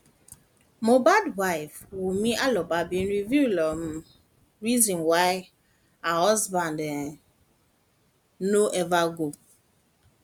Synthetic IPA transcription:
mobadwaɪfwumiʔalɔbabĩn̩ɾivjulɔm̩ | ɹizɔ̃nwaɪ | aɦɔzband | noʔɛvaɡo

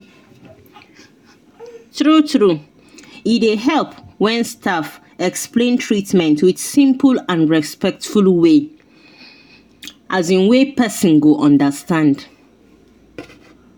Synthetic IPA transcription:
tɹutɹu | ideɦɛlpwɛ̃nstʰaf | ɛksplẽntʰɹitmɛ̃ntwidsĩmpʰəlãnɹɛspɛk̚tfulwe | ʔazĩnwepɛsɔ̃nɡoʔɔ̃ndəstãnd

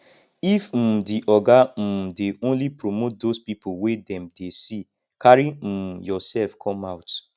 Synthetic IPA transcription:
if̩diʔɔɡam̩deʔõnlipɹomot̚dospipʰowedɛ̃mdesi | kʰaɹim̩jɔsɛlfkʰɔ̃maʊt

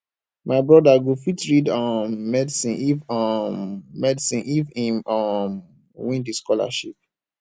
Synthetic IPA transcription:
maɪbɹɔdaɡofitɹidɔ̃mɛdsĩnʔivɔmːɛdisĩnʔivĩmɔm | wĩndiskɔla̰ʃḭp̚

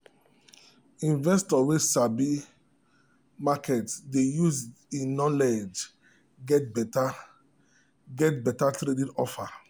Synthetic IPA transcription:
ĩnvɛstɔwesabi | makɛtdejuzĩnɔled͡ʒ | ɡɛtbta | ɡɛt̚bɛtatɾedĩnɔfa

